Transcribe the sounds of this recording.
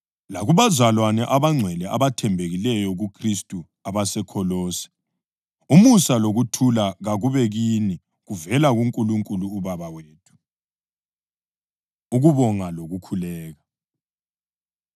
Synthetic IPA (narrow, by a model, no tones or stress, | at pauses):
laɣuβazalwanɛʔaβaŋ͡ǀʱwɛlɛaβatʰɛmbʱeɣilɛjɔɣukʰristʼu | aβasɛkʰɔloːsi̥ | umusaloɣutʰulaɣaɣuβɛɣini | ɣuvɛlaɣuŋkʼuluŋkʼuluːβaβaweːtʰu̥ | uɣuβɔŋaloɣukʰulɛːɣa